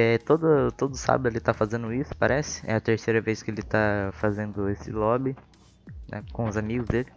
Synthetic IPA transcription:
ɛt̪od̪ɐt̪od̪ʊsa̰bd̪ʊelɪt̪afazẽnd̪ʊisʊ̥paɾʔɛsɪ̥ɛ̰ɐt̪eɾsejɾɐveskɪelɪt̪afazẽnd̪ʊesɪ̰lɔbi | nʔɛ̰kõʊzamiɡʊzd̪elɪ

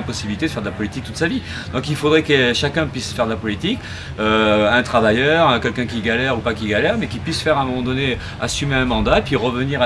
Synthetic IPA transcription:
ɛ̃pɔsibilit̪ed̪əfɛʁd̪əlapɔlit̪ik̚t̪ut̪savi | d̪ɔ̃kilfod̪ʁɛkəʃakʲɛ̃pɥisfɛʁd̪əlapɔlit̪ik | øɛ̃t̪χavajœʁə̃kʲɛlkʲɛ̃k̬ʲiɡalɛʁupakʲiɡalɛʁmɛkʲipɥisfɛʁɛ̃mɔmɑ̃d̪ɔne | asymeɛ̃mɑ̃d̪aepɥiʁəvəniʁa

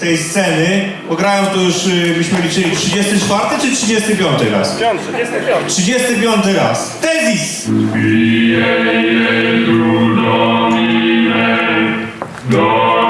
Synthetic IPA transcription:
t̪ɛjst̪sɛnɘ | pɔɡɾajɔw̃t̪ɔjuʂbɘɕmɨlʲit͡ʂɘlʲitʂɨd͡ʑest̪ɨt͡ʂfaɾt̪ɘtt͡ʂɨtʂɨd͡ʑest̪ɨpʲjɔnt̪ɨɾa̰s | tʂɨd͡ʑest̪ɨpʲjɔnt̪ɘɾa̰st̪ɛzʲis | ijɛjɛt̪ud̪ɔimɛ | d̪ɔ

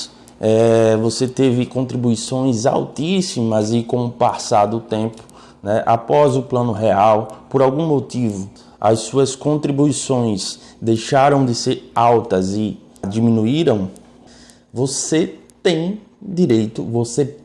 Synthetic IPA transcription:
ɛvoset̪evɪkõnt̪ɾibuisõj̃za̰wt̪isimɐzɪkõpasad̪ʊt̪ẽpʊ̥ | nɛʔa̰pɔzʊplɐ̃nʊɦeawpoɾawɡũmot̪ivʊ | ɐ̰ssuɐskõnt̪ɾibuisõj̃sd̪ejʃaɾɐ̃w̃d̪ɪseɾawt̪ɐzɪ | d͡ʒ̪imĩnuiɾɐ̃w̃ | voset̪ẽj̃d̪iɾejt̪ʊ̰vose

